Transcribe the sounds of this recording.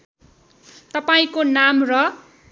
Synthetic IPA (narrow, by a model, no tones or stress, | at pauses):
t̪ʌpaĩkonamrʌ